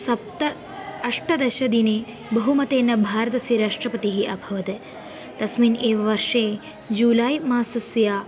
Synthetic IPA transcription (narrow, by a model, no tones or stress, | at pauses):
sɐp̚t̪ɐ | ɐʂʈɐd̪ɐʃɐd̪ineː | bɐɦumɐt̪eːnːɐbʱaːɾɐt̪ɐsiɾaːʂʈɾɐpɐt̪iɦiʔɐbʱɐʋɐt̪e | t̪ɐsmiːneːʋɐʋɐɾʂeː | d͡ʒuːlaːjmaːsɐsjaː